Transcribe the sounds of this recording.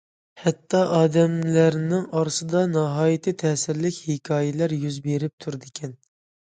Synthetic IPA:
hɛt̪ʰːɑʔɑːd̪ɛmlæɾnɪŋɑɾsɨd̪ɑnɑɦɑːjit̪ʰɨt̪ʰɛːsɪɾlɪkʲhekʲʰɑːjɛlæɾjyzbeɾɪp̚t̪ʰuɾd̪ɪkʲʰɛn

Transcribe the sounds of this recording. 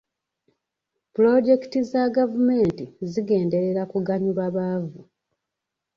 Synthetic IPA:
pulo̞ɟe̞ktizaɡavume̞ːntiziɡe̞ːnde̞ɾe̞ɾakuɡaɲuβaβaːvu

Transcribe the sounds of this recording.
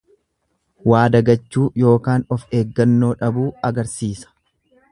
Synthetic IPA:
waːd̪ɐɡɐt͡ʃːuːjo̞ːkaːnɔfe̞ːɡːɐnːo̞ːᶑɐbuːɐɡɐɾsiːsɐ̥

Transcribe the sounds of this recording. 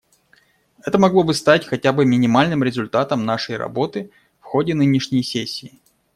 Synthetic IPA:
ɛt̪əmɐɡlˠo̞bɨst̪atʲxɐtʲabɨmʲɪnʲɪmalʲnɨmɾʲɪzʊlʲt̪at̪əmnaʂəjɾɐ̰bo̞t̪ɨ | fxo̞dʲɪnɨnʲɪʂnʲɪjsʲesʲːɪː

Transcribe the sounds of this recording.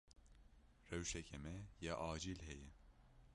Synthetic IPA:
rɛwʃɛcʰɛmɛjaʔaːd͡ʒilɦɛjɛ

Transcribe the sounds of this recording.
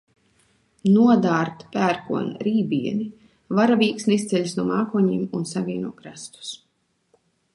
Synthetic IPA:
nuɔd̪aːɾt̪pæːɾkṵɔnɾiːbiɛni | vaɾaviːksnʲist̪sʲɛʎʲsnuɔmaːkuɔɲiːmunsavʲiɛnuɔkɾast̪u̥s

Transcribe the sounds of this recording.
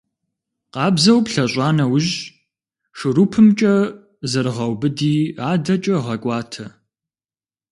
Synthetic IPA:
qɑːbzɐwpɬɐɕʼɑːnɐwʊʑ | ʂɨɾupʰɨmt͡ʃʼɐ | zɨɾɨʁɐwbɨdiːaːdɐt͡ʃʼɐʁɐkʷʼɑːtʰɐ

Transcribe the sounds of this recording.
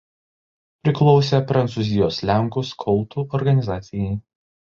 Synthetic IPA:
pʲɾʲɪklˠɔʊsʲeːpɾɐnt̪suːˑzʲɪjoːslʲæˑŋkʊskʰɔlˠt̪uːʔɔɾɡɐnʲɪzɑːt̪sʲɪjɛɪ

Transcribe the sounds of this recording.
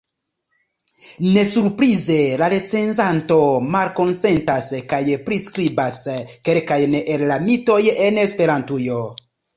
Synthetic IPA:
ne̞suɾpɾize̞laɾet͡se̞nzanto̞malko̞nse̞ntaskajpɾiskɾibaske̞lkajnʔellamito̞jenespe̞ɾantujo

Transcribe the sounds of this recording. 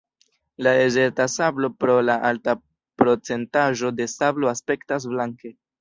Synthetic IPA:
laeze̞ɾtasablo̞pɾo̞laʔalta | pɾo̞t͡se̞ntaʒo̞de̞sablo̞aspe̞ktas̬blaŋke̞

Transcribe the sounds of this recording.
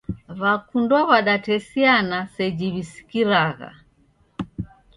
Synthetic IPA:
βakundɔβaɗatɛsianasɛd͡ʒiβisi̥kiɾaɣa̰

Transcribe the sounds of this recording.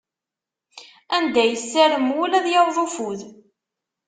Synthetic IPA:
ænd̪æjəsːæɾəmwʊlæðjæwðˤufuð

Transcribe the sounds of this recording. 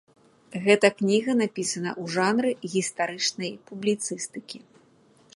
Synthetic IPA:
ɣɛt̪ɐknʲiɣɐnapʲisɐnɐ̰ʔuʐanɾɨɣʲist̪aɾɨt͡ʂnɐjpublʲit̪sɨst̪ɨkʲi

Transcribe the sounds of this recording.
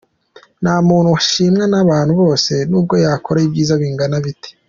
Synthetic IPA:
n̥aːmuːn̥huwaʃiːmŋanaβaːn̥huβo̞ːse̞nuːb̚ɡo̞jaːko̞ɾaib̚ɟiːzaβiːŋɡanaβite̥

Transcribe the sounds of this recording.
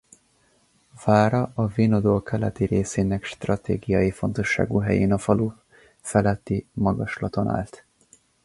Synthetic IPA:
vaːɾɒɒviːnod̪oːlkʰɛlɛt̪iɾeːseːnɛkʃt̪rɒt̪ḛːɡijɒjifo̞nt̪o̞ʃːa̰ːɡuɦɛjeːnɒfɒlu | fɛlɛt̪ːimɒɡɒʃlɒt̪o̞na̰ːlt̪

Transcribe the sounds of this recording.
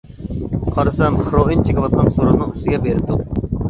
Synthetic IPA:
qʰɑɾɨsɛmχɾoint͡ʃʰekʲɪwɑt̪̚qʰɑnsuɾɨnɨŋyst̪ɪɡʲɛbeɾɪp̚t̪ʊ

